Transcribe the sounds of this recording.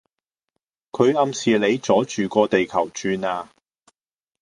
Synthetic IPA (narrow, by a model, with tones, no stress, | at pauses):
kʰɵ˨˧ɥɐ˧msiː˨le˨˧jt͡sɔː˨˥t͡ʃyː˨˩kɔː˧t̪e˨jkʰɐ˨˩wt͡ʃyː˧naː˧